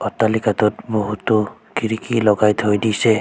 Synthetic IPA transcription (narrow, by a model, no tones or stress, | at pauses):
ɔtalikatɔt̚boɦutɔkiɹikilɔɡajtʰojdisɛ